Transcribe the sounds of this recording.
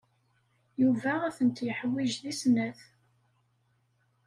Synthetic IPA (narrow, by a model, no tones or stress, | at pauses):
juvææθənt̪jəħwiʒðisnæθ